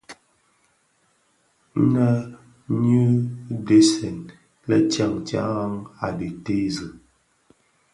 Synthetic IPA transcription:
na˦ | nu˦de˦sɛ˨n | lɛ˦t͡ʃja˦˨ŋt͡ʃa̰˦ŋa˨di˨te˦zə˨

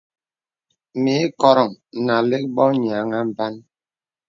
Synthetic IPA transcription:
mi˨˦kɔ˦˨ɾɔ˨ŋ˨na˨le˦k̚bɔ˦ɲ˨a˨ŋa˦m̩˦ba˦n

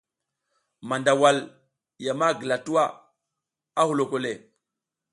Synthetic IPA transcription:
ma˨nda˨wa˨l | ja˨ma˦ɡə˨la˨tu˦wa˦ | a˦hu˨lo˨ko˨le˨

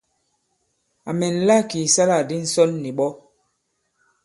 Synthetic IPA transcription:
a˨mɛ˨n˨la˦˨ki˨sa˦la˨di˦n̩˨sɔ˦lːi˨ɓɔ˦

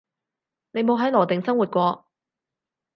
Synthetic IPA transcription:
ne˨˧jmo˨˧wɦɐ˨˥jlɔː˨˩t̪ɪ˨ŋsɐ˥ŋwu˨t̚kʷɔː˧

